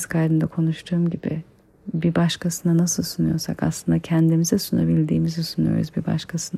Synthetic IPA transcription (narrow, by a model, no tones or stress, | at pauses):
skʰajɾɯnd̪akʰo̞nuʃt̪ʰuːmɟibḭ | bibaʃkasɯnanasɯlˠsunujo̞ɾsa̰ka̰slˠɯnd̪acʰɛnd̪imizɛsunabilʲd̪iːmizɛsunujo̞̰ɾuzbiba̰ʃkʰasɯn